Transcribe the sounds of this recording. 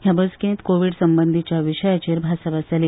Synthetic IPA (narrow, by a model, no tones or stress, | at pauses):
ɦjabəskẽnt̪koʋiɽsəmbənd̪ʱit͡ɕjaʋiɕəjat͡ɕeɾbʱasabasali